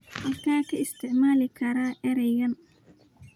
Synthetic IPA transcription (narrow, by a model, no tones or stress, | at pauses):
wɐkaːkɐɪst̪ʰɪʕmaːlɪkʰɐɾaʔɛɾɛjɐn